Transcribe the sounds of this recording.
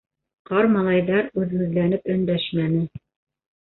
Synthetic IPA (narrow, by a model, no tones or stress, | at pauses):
qɑɾmɑlˠɑjðɑɾʉðɘ̆ɡɘ̆ðlænɘpɵ̆nd̪æʃmænɘ